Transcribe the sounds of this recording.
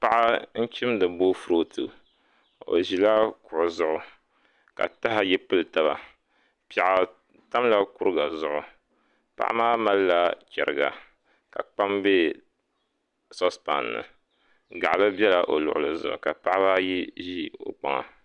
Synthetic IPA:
pa˦ʔa˦n̩˦t͡ʃi˦mdɨ˨bo˦fu˦ɾo˦tʰɨ˨ | o̰˨ʒi˨la˦kʊ˨ʔʊ˨zʊ˦˨ʔʊ˨ | ka̰˨ta˦ɦa˦jɛ˦pɨ˦lɨ˨ta˨ba̰˨ | pa˨ʔa˨ | ta˦mla˦ku˦ɾɨ˦ɡa˨zʊ˦ʔʊ˨ | pa̰˦ʔa̰˦maː˦ma˦lla˦t͡ʃʲɛ̰˨ɾɨ̰˨ɡa̰˨ | ka̰˨k͡pa˦mbe˦ | sɔ˦spa̰˨nːɨ̰˨ | ɡa˨ʔa˨lɨ˦bɛ˦la˨ʔo˨lʊ˨ʔʊ˨lɨ˨zʊ̰˨ʔʊ̰˨ka˨pa˦ʔa˦ba˦ji˦ʒi˦o̰˨k͡pa̰˦ŋa̰˨

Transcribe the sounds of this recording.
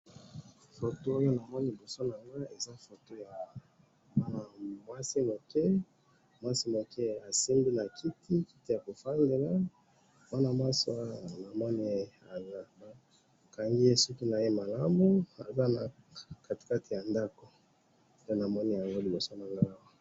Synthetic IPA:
fo˨to˦o˦jo˦na˨mɔ˦ni˦i˨bo˨so˦na˨ŋɡa˦e˨za˦fo˨to˦ja˨ | ma˦na˨mwa˦si˦mo˨kɛ˦ | mwa˦si˦mo˨kɛ˦a˨si˦mbi˦na˨kʰi˦tʰi˦ki˦ti˦ja˨ko˨fa˦nde˨la˦ | m˦a˦na˨mwa˦so˦˨a˦ja˨na˨mɔ˦ni˦ | a˨za˨ba˦˨ | ka˨ŋɡi˦e˦su˦ku˦na˨je˦ma˨la˦mu˦a̰˨za˦na˨ | ka˨te̥˨ka˦ti˨ja˨nda˦ko˨˦ | na˨mɔ˦ni˦ja˨ŋɡo˦li˨bo˨so˦na˨ŋɡa˦ko˨

